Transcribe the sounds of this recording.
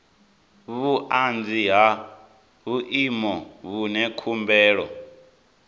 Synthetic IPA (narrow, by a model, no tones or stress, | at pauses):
βuʔand͡ziɦa | βuʔimɔβunɛkʰumbɛːɺɔ̰